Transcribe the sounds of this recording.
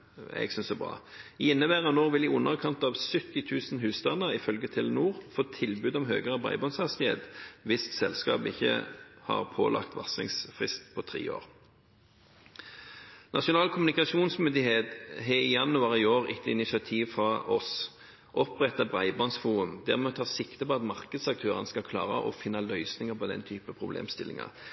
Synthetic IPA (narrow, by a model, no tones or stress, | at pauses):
ɛ̰ɡsʏnsɔbʁɑ̰ːɪnːəʋæːʁənoːʋɪlɪʊnːəʁkʰɑnt̪ɑʋsʏt̪ːɪt̪ʰʉːsnɦʉːst̪ɑnəʁɪfœlɡət̪ʰɪlnuːʁfoːt̪ʰɪlbʉd̪ɔmɦø̰ːɡəʁəbʁɑ̰ɪbɔnshɑst̪ɪhḛːt̪ʋɪssɛlskɑ̰ːpɪçːə̰hɑ̰ʁpʰoːlʔɑ̰kt̪ʋɑ̰sɪ̰ŋsfʁɪ̰st̪pʰɔt̪ʰʁḭːo̰ːʁ | nʔɑʂʊnɑːlkʰʊmnɪkɑʃuːnsmʏnd̪ɪheːt̪ɦɛɪjɑnːʉɑʁɪoːʁɪ̰t̪ːəɪnɪʃɑt̪ʰiːʋfʁɑʔɔs | ʔɔpʁɛt̪ːɑbʁɑɪbɔnsfuːʊmd̪æʁmɛɔt̪ʰɑːsɪkt̪əpɔɑt̪mɑʁkəd̪sɑk̚t̪ʰøːʁənəskɑkʰlɑ̰ːʁəʔɔfɪnːɑlœʏsnɪŋəpɔd̪ɛ̰nt̪ʰyːpəəpʰʁʊblḛːmst̪ɪlɪ̰ŋɑ̰ʁ